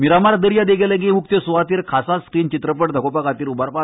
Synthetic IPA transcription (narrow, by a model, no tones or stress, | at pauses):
miɾamaɾd̪əɾjad̪eɡeləɡemuk̚t̪esuʋat̪iːɾkʰasaskɾiːnt͡ɕit̪ɾəpəʈd̪ʱəkopakat̪iːɾubaɾpa